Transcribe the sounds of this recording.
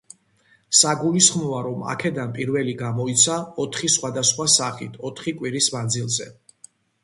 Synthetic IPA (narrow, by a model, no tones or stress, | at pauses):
saɡulisχmɔvaɾɔma̰kʰɛd̪anpʼiɾvɛliɡamɔit̪sʰaɔt̪ʰχisχwad̪asχwasaχit̪ʰɔt̪ʰχikʼwiɾismand̪zilˠzɛ